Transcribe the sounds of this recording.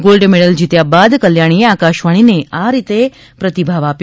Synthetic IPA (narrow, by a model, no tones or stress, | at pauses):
ɡolɖmeɽəld͡ʑit̪jabad̪kəljaɽ̃ieakaʃʋaɽ̃ineaɾit̪e | pɾət̪ibʱaʋapj